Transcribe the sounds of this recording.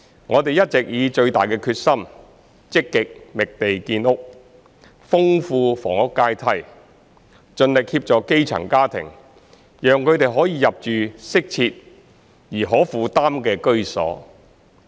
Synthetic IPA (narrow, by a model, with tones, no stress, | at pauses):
ŋʔɔː˨˧t̪e˨jɐ˥t̚t͡sɛ˨k̚jiː˨˧t͡ʃɵ˧ɥt̪aː˨jkɛː˧kʰyː˧t̚sɐ˥m | t͡sɪ˥kːɪ˨k̚mɪ˨k̚t̪e˨jkiː˧nʊ˥k̚ | fʊ˥ŋfuː˧fɔ̰ː˨˩ŋʊ˥kːaː˥jt̪ʰɐ˧˥j | t͡ʃɵ˧nlɪ˨k̚hiː˧p̚t͡ʃɔː˨kke˥jt͡sʰɐ̰˨˩ŋkaː˥t̪ʰɪ̰˨˩ŋ | jœː˨ŋkʰɵ˨˧ɥt̪e˨jɦɔː˨˥jiː˨˧jɐ˨p̚t͡ʃyː˨sɪ˥k̚t͡sʰiː˧t̚ | jiː˨˩ɦɔː˨˥fuː˨˧t̪aː˥mkɛː˧kɵ˥ɥsɔ̰ː˨˥